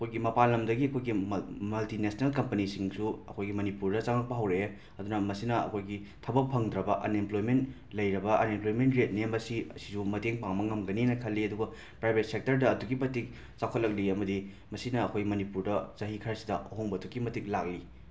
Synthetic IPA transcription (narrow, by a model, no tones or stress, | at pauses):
ɐkʰojɡimɐpanlːɐmdɐɡiɐkʰojɡimɐltinesɐnelkɐmpɐnisiŋsuɐ̰kʰojɡimɐnipuɾdɐt͡ʃaŋɐk̚pɐɦɐwɾe | ɐdunɐmɐsinɐɐ̰kʰojɡi | tʰɐbɐk̚pʰɐŋdɾɐbɐʔɐ̰nemplojment | lɐjɾɐbɐʔɐnemplojmentɾet̚nembɐsiɐsi̥sumɐteŋpaŋmɐŋɐmɡɐninɐkʰɐlːiɐduɡɐ | pɾajbʱet̚sek̚tɐɾdɐːduɡimɐtik̚ | t͡ʃakʰot̚lɐk̚liɐmɐdi | mɐsinɐːkʰojɡimɐnipuɾdɐzɐɦikʰɐɾɐsidɐɐɦoŋbɐːdukːimɐtik̚lak̚li